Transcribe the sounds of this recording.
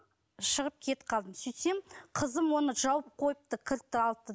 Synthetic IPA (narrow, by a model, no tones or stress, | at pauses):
ʃəʁəp̚kʲʰe̞t̪qʰɑlˠd̪əmsʏjt̪emqʰəzəmwonəʒɑwəp̚qʰo̞jəp̚t̪əkʲʰɪɾt̪ːɪɑl̚ˠt̪ːə